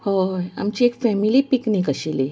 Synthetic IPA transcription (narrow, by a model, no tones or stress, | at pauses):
hoa̰mt͡ɕiekfɛmilipiknikəɕili